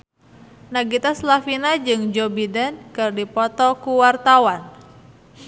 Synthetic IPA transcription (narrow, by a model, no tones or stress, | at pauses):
naɡit̪aslafinad͡ʒɨŋd͡ʒɔbidɛnkɨrdipɔt̪ɔkuwart̪awan